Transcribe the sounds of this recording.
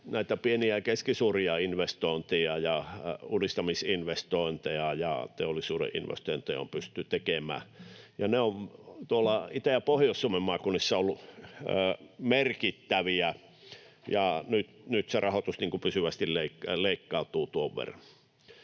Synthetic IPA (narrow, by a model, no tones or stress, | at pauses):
næit̪æpieniækeskisuːriɑinʋest̪oint̪ejɑjɑunist̪ɑmisinʋest̪oint̪ejɑjɑ̰t̪eolːˑisuːɾḛʔʔḭnʋḛst̪oint̪ejɑo̰mpyst̪ːyt̪ekemæ̰ːjɑneoʋt̪uolːˑɑit̪ææpohjossŭomemmɑːˑkunisːɑolːu | merkit̪ːæʋiæ | jɑnyt̪nyt̪serɑhot̪usniːŋkupysyʋæst̪illeikleikːɑˑut̪uːt̪uoʋːḛrːɑn